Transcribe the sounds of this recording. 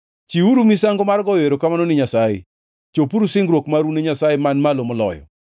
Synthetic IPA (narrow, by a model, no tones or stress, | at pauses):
t͡ʃiuɾumisaŋɡɔmarɡɔweɾokamanonɪɲasajḛ | t͡ʃopuɾusɪŋɡɾwokmaɾuneɲasajemanmalomɔlɔ̰jɔ̰